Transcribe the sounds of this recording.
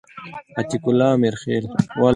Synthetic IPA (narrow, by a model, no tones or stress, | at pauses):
ɐt̪ikulaːmiɾxeːlwaː